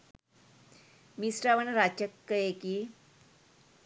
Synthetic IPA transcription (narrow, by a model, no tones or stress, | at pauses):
misɾaʋənɾat͡ɕəkːəjeki